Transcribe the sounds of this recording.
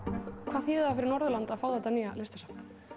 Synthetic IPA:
kʰvaːθjiːðafɪɾɪɾnɔɾðʏlant̪aðfaːwðat̪anijalɪst̪asa

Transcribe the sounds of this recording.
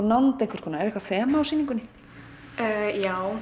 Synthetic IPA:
nawnt̪ejhkvʏ̥ɾ̥kʰɔːnaɛɾɛhkvaθvɛːmaːwsiːniŋkʏnːɪ | jaːw

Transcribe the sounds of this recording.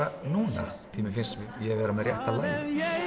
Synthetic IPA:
anuːna̰ | θimɪfɪnsɪjavɛːɾamɛðɾrjɛht̪alan

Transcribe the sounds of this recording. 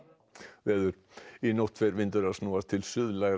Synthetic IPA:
vɛːðʏɾ̥ | inɔht̪fɛɾvɪnt̪ʏɾaðsnɔːast̪ʰɪlsʏðlajɣɾ

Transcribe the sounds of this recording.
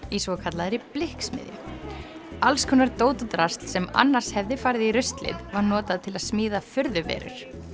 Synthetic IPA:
isvɔkʰat̪laðɾɪplɪhksmɪ̰ðjʏ̰ | alskʰɔnːaɾt̪oːwt̪ʏt̪ɾast̪sɛma̰nːaɾ̥shɛvðɪfaːɾɪðiɾʏst̪lɪ̰ðvaɾnɔːt̪aðt̪ʰɪlaðsmiːðafʏɾðʏvɛ̰ːɾʏ̰ɾ̥

